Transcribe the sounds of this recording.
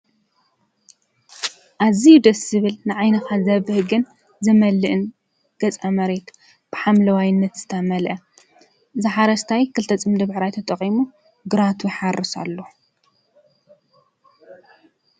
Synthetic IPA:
ʔazijud̪ɐsɨβɨlnɨʕajnɐxazɐβɨhɡɨn | zɨmɐlːɨʔɨn | ɡ̥ɐt͡sʼamɐɾet̪ʰ | b̥ɨħamlɐwajɪnːɐt̪z̥ɨt̪ʰɐmɐlʔɐ | zɨħaɾɐst̪ʰajkʰɨlt̪ʰɐt͡sʼɨmd̪ɐbħɾajt̪ʰɐt̪ʼɐqʼimu | ɡɨɾat̪ʰujħarɨsa̰lːo

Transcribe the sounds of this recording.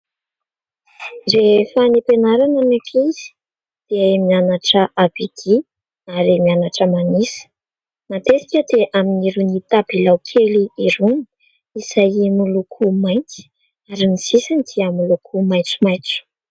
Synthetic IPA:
zefanipenaɾanəmekizi̥ | d̪̥eemianaʈ͡ʂəʔabiɡ̥i | aɾemianaʈ͡ʂəmanisə̥ | mat̪esi̥kʲəd̪eʔaminiɾunit̪abilawkʰeliiɾuni̥ | isajimulukʰumajnt͡si̥ | aɾimisisand̪̥iəmulukʰumajt͡sumajt͡su̥

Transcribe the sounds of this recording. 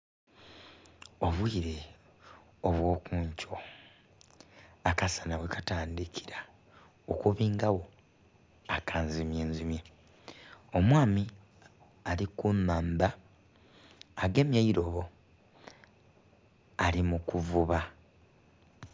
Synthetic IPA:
o̞βwiːɾe̞ | oβwo̞ːkuːɲco̞ | akasanaβwe̞kḁtaːndikʰi̥ɾḁ | okuβiːŋɡawo̞ | akʰaːnzimjeːnzimje | o̞mwaːmi | alikumaːmba | ɡe̞mjaiɾo̞βo̞ | alimukuvuβa

